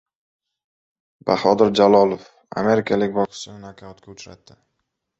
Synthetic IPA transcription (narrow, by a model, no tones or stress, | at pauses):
ba̰hɒd̪ɪɾd͡ʒalˠɒlˠof | a̰me̞ɾɪkʲʰalɪkʲbɒkʰɪ̥sɪnɪnakʲʰaʊt̪kʲʰaʊt͡ʃɾa̰t̪ʰːɪ